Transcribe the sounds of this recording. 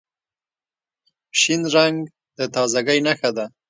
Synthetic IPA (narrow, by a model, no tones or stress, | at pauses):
pʃinɾaŋɡ | d̪ət̪ɑzaɡəjnaxad̪a